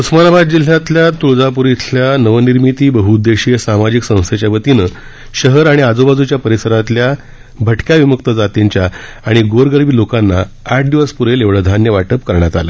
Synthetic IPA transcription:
usmanabad̪d͡ʑil̤ːjat̪ljat̪uɭd͡zapuɾit̪ʰljanəʋəniɾmit̪iːbəɦud̪eɕiesamad͡ʑiksə̃w̃st̪ʰet͡ɕjaʋət̪inə | ɕəɦəɾaɽ̃iad͡zobad͡zut͡ɕjapəɾisəɾat̪lja | bʱəʈkjaʋiməkt̪əd͡zat̪eɲt͡ɕja | aɽ̃iɡoɾɡəɾʋiːlokanːa | aʈ̚ʰɖ̪iʋəspuɾeleʋɭəd̪ʱanjəʋaʈəpkəɾɳjat̪a̰lə̰ː

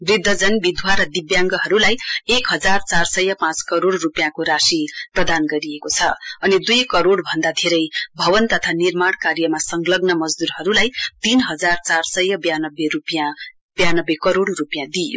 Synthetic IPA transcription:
brid̪ʱːʌd͡zʌnbid̪ʱwaɾʌd̪ibjaŋɡʌɦʌɾulajekɦʌd͡zart͡sarsʌjːʌpãt͡skʌɾoɽrupjãkoɾasiprʌd̪anɡʌɾiekot͡sʰʌʌnid̪ujkʌɾoɽbʱʌnd̪at̪ʰeɾʌjbʱʌbʌnt̪ʌt̪ʰanirmaɽkarjʌmasʌŋɡlʌɡnʌmʌd͡zd̪uɾɦʌɾulajt̪inɦʌd͡zart͡sarsʌjʌbjanʌbːerupjã | bjanʌbekʌɾoɽrupjãd̪ijo̰

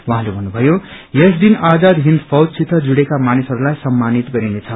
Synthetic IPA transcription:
wuɦãlebʱʌnːubʱʌjojesd̪inad͡zad̪ɦind̪pʰʌwd̪̚sit̪ʰːʌd͡zuɽekamanisʌɾulajsʌmːanit̪ɡʌɾinet͡sʰʌ

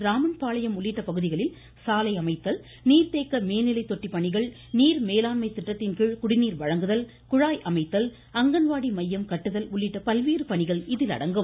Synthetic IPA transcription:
ɾaːmɐnpaːlɐjɐmʊɭːɪʈːɐpɐɣɯðɪɣɐɭɪl | saːlɐɪɐmɐɪt̪ːɐl | niːɾt̪eːkːɐmeːnɪlɐɪt̪ɔʈːipːɐɳɪɣɐɭ | niːɾmeːlaːnmɐɪt̪ːɪʈːɐt̪ːɪnkɪɻkʊɽɪniːɾʋɐɻɐŋɡɯðɐl | kʊɻaːjʔɐmɐɪt̪ːɐl | ɐŋɡɐnʋaːɽimɐjːɐmkɐʈːɯðɐlʊɭːɪʈːɐpɐlʋiːɾɯpɐɳɪɣɐɭɪðɪlɐ̰ɽɐŋɡɯm

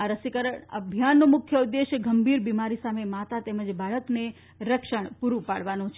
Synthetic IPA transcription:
aɾəsikəɾəɳə̰bʱjanːomʊkʰjəud̪ːeʃjəɡəmbʱiɾbimaɾisamemat̪at̪eməd͡ʒbaɭəkne | ɾəkʃəɳ̃puɾũpaɽʋanõt͡ʃʰe

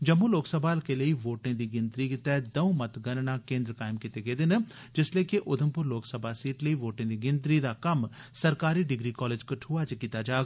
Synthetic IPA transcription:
d͡ʒəmːuloːksəbʱaːlkeləiʋoːʈɪ̃d̪iːɡɪnt̪ɾikɪt̪ɛːd̪ɐũmɐt̪ɡɐnnaːkẽːnd̪ɾəkaːɪmkit̪eɡeːd̪ɪn | d͡ʒɪsleːkiʔʊd̪ʱəmpʊɾloːksəbʱaːsiːʈləiʋoːʈẽːd̪iɡɪ̃nt̪ɾid̪aːkɐmsɐɾkaːɾiːɖɪɡɾiːkɔːleːd͡ʒkɐʈʰuːat͡ʃkiːt̪ad͡ʒaːɡ

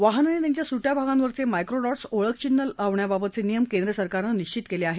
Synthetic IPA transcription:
ʋaɦənanet̪jaɲt͡ɕjasuʈjabʱaɡãnʋəɾt͡semajkɾoɽɔʈsoɭək̚ʰt͡ɕinːəlaʋɳjababət̪t͡senijəmkend̪ɾəsəɾkaɾnəniɕt͡ɕit̪keleaɦe

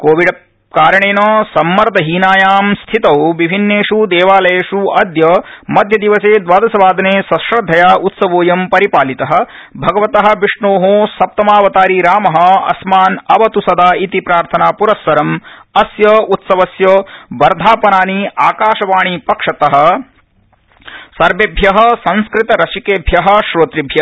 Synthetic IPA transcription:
koːʋiɖɐ | kaːɾɐɳeːnoːsɐmːɐɾd̪ɐɦiːnaːjaːmst̪ʰit̪ɐwʋibʱinːeːʂud̪eːʋaːlɐjeːʂuɐd̪jɐmɐd̪ʱjɐd̪iʋɐseːd̪ʋaːd̪ɐsɐʋaːd̪ʱɐneːsɐ̃ʃɾɐd̪ʱɐjaːʔut̪sɐʋoːjɐmpɐɾipaːlit̪ɐɦɐ̆ | bʱɐɡɐʋɐt̪ɐɦɐ̆ʋiʂɳoːɦoːsɐp̚t̪ɐmaːʋɐt̪aːɾiɾaːmɐɦɐ̆ɐ̰smaːnɐʋɐt̪usɐd̪aːit̪ipɾaːɾt̪ʰɐnaːpuɾɐsːɐɾɐmɐsjɐut̪sɐʋɐsjɐʋɐɾd̪ʱaːpɐnaːniaːkaːʃɐʋaːɳipɐkʂɐt̪ɐɦɐ̆ | sɐɾʋebʱjɐɦɐ̆sɐ̃nskɾit̪ɐɾɐʃikeːbʱjɐɦɐ̆ʃɾoːt̪ɾibʱjɐ

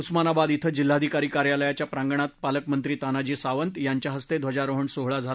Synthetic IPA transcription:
usmanabad̪it̪ʰəd͡ʑil̤ːad̪ʱikaɾikaɾjaləjat͡ɕjapɾãŋɡəɳ̃at̪̚paləkmənt̪ɾiːt̪anad͡ʑiːsaʋənt̪jaɲt͡ɕjaɦəst̪ed̪ʋəd͡ʑaɾoɦəɳsoɦɭad͡zʱa

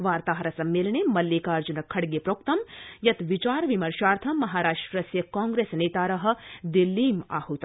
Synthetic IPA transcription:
ʋaːɾt̪aːɦɐɾɐsɐmːelɳemɐljeːkaːɾd͡ʒunɐkʰːɐɽɡepɾoːk̚t̪ɐmjɐt̪ʋit͡ʃaːɾʋimɐɾʃaːɾt̪ʰɐmːɐɦaːɾaːʂʈɾɐsjɐkãːŋɡɾeːsneːt̪aːɾɐɦɐ̆d̪ilːiːma̰ːɦut̪

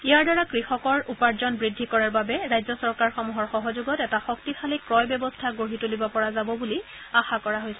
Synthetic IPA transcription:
iaɹdaɹakɹixɔkɔɹupaɹzɔnbɹidʱːikɔɹaɹbabɛɹajzjɔsɔɹkaɹxɔmuɦɔɹxɔɦɔzuɡɔtɛtaxɔktipʰalikɹɔjbɔbɔstʰaɡoɦitolibɔpɔɹazabɔbuli | axakɔɹaɦojsɛ

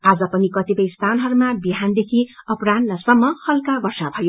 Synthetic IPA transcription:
ad͡zʌpʌnikʌt̪ipʌjst̪ʰanɦʌɾumabiɦand̪ekʰiʌpranlasʌmːʌhʌlkabʌrsabʱʌjo

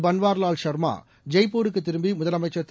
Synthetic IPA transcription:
bɐnʋaːɾlaːlʃɐɾma̰ː | d͡ʒɐɪpːuːɾɯkːɯt̪ːɪɾɯmbimʊðɐlɐmɐɪt͡ʃːɐt̪ː

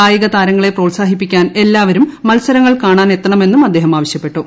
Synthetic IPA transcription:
aːjiɣɐt̪aːɾɐŋːɐɭe̞proːlsaːɦipːikʲːaːne̞lːaːʋɐɾumːɐlsɐɾɐŋːɐɭkaːɳaːne̞t̪ːɐɳɐme̞nːumɐd̪ːe̞ːɦɐmaːʋɐɕjɐpːe̞ʈːu

